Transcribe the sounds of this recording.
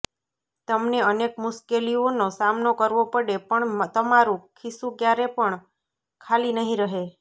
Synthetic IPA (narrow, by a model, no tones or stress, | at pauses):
t̪əmneənekmʊʃkelionosamnokəɾʋopəɽepəɳt̪əmaɾũkʰisũkjaɾepəɳ | kʰalinəɦĩɾəɦe